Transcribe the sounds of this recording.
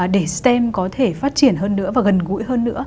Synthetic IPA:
ɗe˧˩st̪ɛ˧mkɔ˨˦t̪ʰe˧˩faː˦˥t̚t͡ɕi˧˩ənɦəː˧nːɨ̰˧˥vaː˨˩ɣə˨˩nɣṵ˧˥jhəː˧nːɨ̰˧˥ə

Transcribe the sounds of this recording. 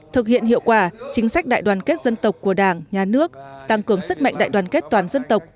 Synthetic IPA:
t̪ʰɨ˨˩k̚hḭ˧˨ənhḭ˧˨əwkwaː˧˩t͡ɕï˨˦ŋ̟sa˦˥k̚ɗa̰ː˧˨jɗwaː˨˩nke˦˥t̚zə˧nt̪ə˨˩wk͡p̚kːu˧˩əɗaː˧˩ŋɲaː˨˩nɨ˦˥ək̚t̪a˧˩ŋkɨ˨˩əŋsɨ˦˥k̚ma̰˧˨ŋ̟ɗa̰ː˧˨jɗwaː˨˩nke˦˥t̚t̪waː˨˩nzə˧nt̪ə˨˩wk͡p̚

